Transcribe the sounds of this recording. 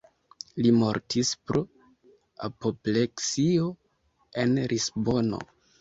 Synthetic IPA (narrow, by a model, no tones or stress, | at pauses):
limo̞ɾtʰispɾo | a̰popleksio̞ | e̞nɾʔisbo̞no̞̰